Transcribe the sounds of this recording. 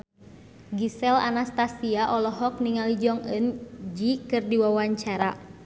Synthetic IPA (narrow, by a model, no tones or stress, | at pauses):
ɡisɛla̰nast̪asiaʔɔlɔɦɔk̚niŋalid͡ʒɔŋə̰nd͡ʒikɨrdiwawaɲt͡ʃaɾa̰